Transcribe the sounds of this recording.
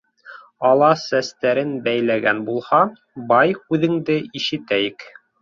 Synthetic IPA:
ɑlˠɑsæst̪æɾɘnbæjlæɡænbulˠhɑ | bɑjkʉðɘ̆ŋd̪ɘiʃɘ̆t̪æjɘk

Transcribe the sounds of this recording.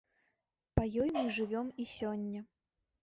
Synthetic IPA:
pɐjɔjmɨʐɨvʲɔmisʲɔnʲːɐ

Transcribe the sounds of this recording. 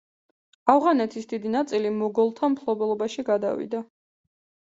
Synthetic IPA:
avʁanɛt̪ʰisd̪id̪inat̪sʼilimɔɡɔlˠt̪ʰampʰlˠɔbɛlˠɔbaʃiɡad̪a̰vḭd̪a

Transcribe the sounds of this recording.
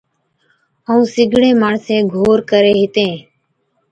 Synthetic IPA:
əũːsɪɡʱɽẽːmaːɳsẽːɡʱoːɾkəɾeːɦɪt̪ẽː

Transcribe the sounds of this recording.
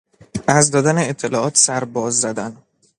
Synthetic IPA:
ʔæzd̪ɒːd̪æneet̪ʰːe̞lɒːʔɒːt̪ʰsæɾbɒːzːæd̪æn

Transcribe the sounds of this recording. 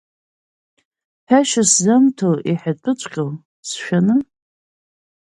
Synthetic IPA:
ħᶣaʃaszamtʰowʔiħapʰʼɨt͡ʃʷʼqʲʼow | sʃᶣanɨ

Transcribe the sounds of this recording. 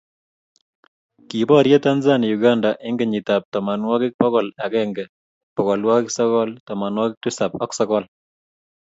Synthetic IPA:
kibɔɾjetanzanijuɡandaʔeŋɡeɲitap̚tɔmanwɔkɪk̚pɔkɔlakɛŋɡɛ | pɔkɔlwakɪksɔkɔltɔmanwɔkɪk̚tusapɔksɔkɔl

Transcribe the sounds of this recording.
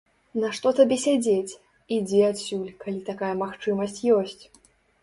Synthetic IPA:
nɐʂt̪ɔt̪abʲɛsʲad͡zʲet͡sʲ | id͡zʲɛat̪sʲulʲkalʲit̪akajɐmaxt͡ʂɨmɐsʲt͡sʲjɔsʲt͡sʲ

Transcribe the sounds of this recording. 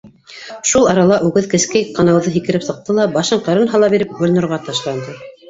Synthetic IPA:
ʃulˠɑɾɑlˠɑʔʉɡɘðkɘ̆skæjqʰɑnɑwðɤɦikɘ̆ɾɘpsɤ̆q̚t̪ɤlˠɑbɑʃɤɴqɤ̆ɾɤnɦɑlˠɑbiɾɘp̚ɡŭlnɤ̆ɾʁɑt̪ɑʃlˠɑnd̪ɤ

